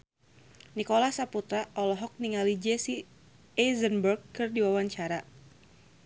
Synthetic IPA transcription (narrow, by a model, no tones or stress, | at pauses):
nikoɔlahsaput̪ɾaʔɔlɔɦɔk̚niŋalid͡ʒɛsi | ɛzənbərɡkːɨrdiwawaɲt͡ʃaɾa